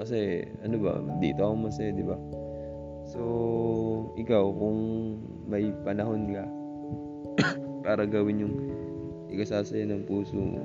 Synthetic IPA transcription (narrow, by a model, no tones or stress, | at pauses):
kɐsɛ | ɐnobɐ̰d̪ḭːt̪oɐkoŋmɐsɐjod̪ɪba | so̞ | ʔɪkawkʊŋ | mɐjpɐnɐɦo̞nka | paːɾɐɡɐwɪnjʊŋ | ʔɪkɐsaːsɐjonɐŋpuːso̰